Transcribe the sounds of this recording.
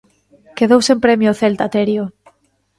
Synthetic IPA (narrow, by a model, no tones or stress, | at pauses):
keðowsempɾɛmjoːθelt̪at̪eɾjo